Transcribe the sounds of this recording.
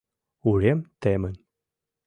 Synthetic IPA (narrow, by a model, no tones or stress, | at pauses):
uɾemt̪emən